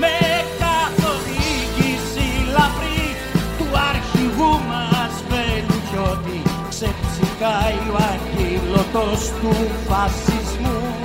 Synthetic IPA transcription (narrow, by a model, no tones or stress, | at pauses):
mekat̪oðiɣisilapɾi | t̪uaɾkiɣumasvɛluʒɔt̪iksɛpsikajuaɾkilot̪ost̪ufasizmu